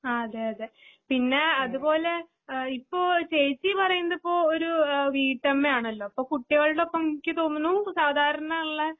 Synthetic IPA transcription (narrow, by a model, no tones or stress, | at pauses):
ɐðeɐðepinːe̞ɐðubo̞ːle̞ | ipːo̞ːt͡ɕeːt͡ɕːipɐrɐjunːɐðipːo̞ːoɾuʋiːʈːɐmːeaːɳɐlːo̞ːipːoːkuʈːiɣɐɭuɽeopːɐmkʲːɨt̪oːnːunːusaːd̪ʱaːɾɐnaɭːɐ